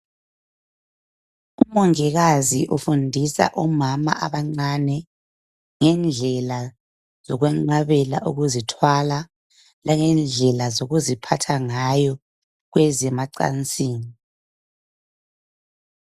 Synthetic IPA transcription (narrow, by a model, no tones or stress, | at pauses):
umɔŋɛɣaziʔufundʱisa̰ʔɔmama̰ʔaβaŋ͡ǀanɛ | ŋɛnd͡ɮʱɛla | z̥ɔɣwɛŋ͡ǃaβɛla̰ʔuɣuzitʰwala | lʔaŋɛnd͡ɮʱɛlazoɣuzipʰatʰaŋajɔ | ɣwɛzɛmaǀa̰nt͡sʼiːni